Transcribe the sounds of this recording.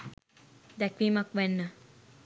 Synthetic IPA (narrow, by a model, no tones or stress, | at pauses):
d̪ɛkʋiːmɐkʋɛnːə